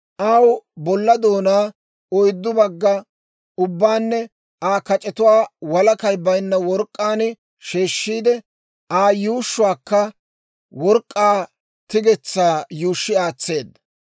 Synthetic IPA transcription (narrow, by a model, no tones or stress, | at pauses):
ʔɐwbɔlːɐd̪oːnaː | ɔjd̪ːʊbɐɡːɐ | ʊbːaːnːɛ | aːkɐt͡ʃʼɛt̪ʊwaːwɐlɐkɐjbɐjnːɐwɔɾkʼːaːn | ʃeːʃːiːd̪ɛ | ʔaːjuːʃːʊwaːkːɐ | wɔɾkʼːaː | t̪ɪɡɛt͡sːaːjuːʃːɪaːt͡sːe̞ːd̪ːɐ